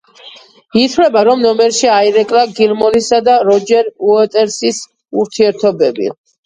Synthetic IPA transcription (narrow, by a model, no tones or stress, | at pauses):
it̪ʰlɛbaɾɔmnɔmɛɾʃiaiɾɛkʼlaɡilˠmɔnisad̪aɾɔd͡ʒɛɾuɛt̪ʼɛɾsis | uɾt̪ʰiɛɾt̪ʰɔbɛbḭ